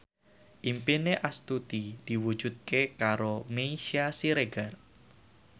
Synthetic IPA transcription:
ʔimpineʔast̪ut̪id̪̥i̤wud̥ʒ̥ṳt̪̚kekaɾomeiʃiasiɾeɡar

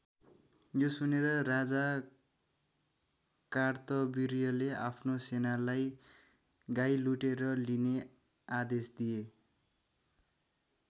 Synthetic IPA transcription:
josuneɾʌrad͡za | kart̪ʌbiɾijʌlea̰pʰnosenalaj | ɡajluʈeɾʌline | ad̪esd̪ije

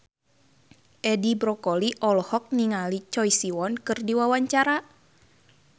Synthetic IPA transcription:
ʔɛdibɾɔkɔliʔɔlɔhɔk̚niŋalit͡ʃɔjsiwɔnkɨrdiwawaɲt͡ʃaɾa

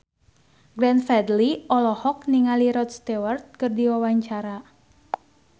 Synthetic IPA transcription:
ɡɾɛnfɛd̪liɔlɔhɔk̚niŋaliɾɔt̪̚st̪ɛwərt̪̚kɨrdiwawaɲt͡ʃaɾa

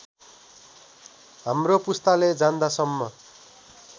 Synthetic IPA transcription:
ɦamropust̪aled͡zand̪asʌmːʌ

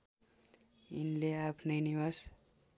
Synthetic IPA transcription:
ḭnleapʰnʌjniɦʌs

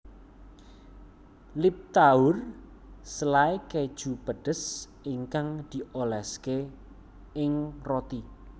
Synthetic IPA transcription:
lip̚t̪aʊr | səlaeked̥ʒ̥ubəɖ̥ə̤s | iŋkaŋd̪̥i̤ʔolɛske | ɪŋrot̪i

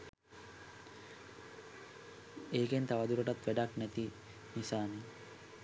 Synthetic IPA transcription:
eːkent̪aʋɐd̪uɾoʈat̪ʋæɖaknæt̪i | nisaːni

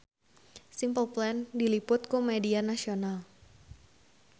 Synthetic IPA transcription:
simpəlplɛndilipʊt̪̚kumɛdianasional

